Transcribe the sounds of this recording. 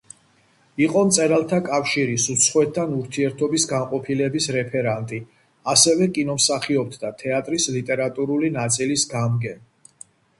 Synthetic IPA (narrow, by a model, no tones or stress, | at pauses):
iqʼɔmt̪sʼɛɾalˠt̪ʰakʼafʃiɾisut̪sʰχwɛt̪ʰːanuɾt̪ʰiɛɾt̪ʰɔbisɡanqʼɔpʰilɛbisɾɛpʰɛɾant̪ʼi | asɛvɛkʼinɔmsaχiɔp̚t̪ʰd̪at̪ʰɛat̪ʼɾislit̪ʼɛɾat̪ʼuɾulinat̪sʼilisɡamɡɛn